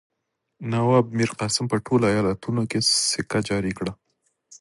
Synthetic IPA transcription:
nawɑb̚miɾqɑsɪmpəʈʰoloajɑlat̪unokesɪkad͡ʒɑɾikɽa

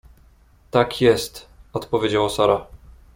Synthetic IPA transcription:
t̪akʰjɛst̪ɔt̪pɔvʲjed͡ʑawasɔɾa

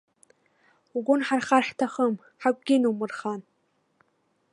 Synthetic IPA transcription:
uɡʷʊnħarχarħtʰaχəm | ħakʷʼɡʲinuwmɨrχan

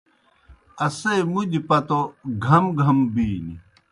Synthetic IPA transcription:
ɐsemud̪ipɐt̪oɡʱɐmɡʱɐmbiːnḭ

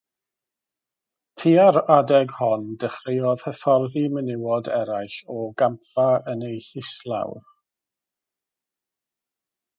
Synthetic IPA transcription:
tʰiːaɾadɛɡhɔndəχrɪjɔð̥hɛfɔrðimənɪwɔdɛɾajɬɔɡampfaənejɬɪslˠa̰w

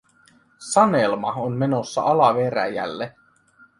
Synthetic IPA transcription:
sɑnelmɑonme̞no̞sːɑ̰ʔɑlɑʋeɾæ̰jæ̰lːe

